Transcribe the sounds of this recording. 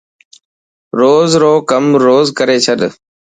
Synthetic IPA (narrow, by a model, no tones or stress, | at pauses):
ɾoːzɾoːkəmɾoːzkəɾeːt͡ʃʰəɗ